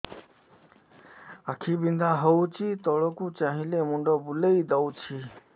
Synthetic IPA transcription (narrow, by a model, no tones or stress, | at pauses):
akʰibind̪ʱaɦɔwt͡ʃʰit̪ɔɭɔkut͡ʃaɦĩlemuɳɖɔbuleid̪awt͡ʃʰi